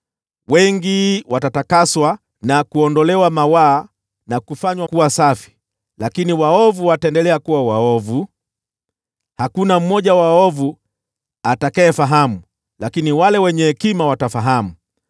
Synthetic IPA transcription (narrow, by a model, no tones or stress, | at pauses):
wɛŋɡiwatatakaswa | nakuɔndɔlɛwamawaː | nakufaɲwakuwasafi̥ | lakiniwaɔvuwataɛndɛlɛakuwawaɔvu | hakunam̩mɔʄawaɔvu | atakɛɛfaɦamu | lakiniwalɛwɛɲɛhɛkimawatafaɦamu